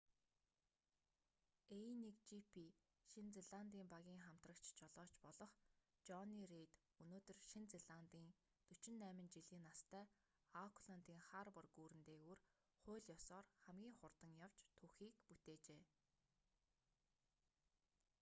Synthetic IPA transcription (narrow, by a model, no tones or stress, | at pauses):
enikt͡ɕipʰi | ʃint͡seɮant̪iːmpaɣʲiːŋχam̥t̪rə̆kt͡ɕt͡ɕʰɔɮɔːt͡ɕpɔɮɞ̆χ | t͡ɕɔniret̪ | unoːt̪ɵ̆rʃint͡seɮant̪iːn | t̪ɵt͡ɕɪ̆nːæːmɘ̆nt͡ɕiɮiːnːast̪ʰæː | akʰɮɔn̥t̪iːŋχarpɔrɡuːɾɘ̆nt̪eːɣuːr | χʊ̟ːɮjɔsɔːrχæmɡʲiːŋχʊrt̪ə̆ŋjaw̥t͡ɕt̪ʰuxiːkput̪eːt͡ɕeː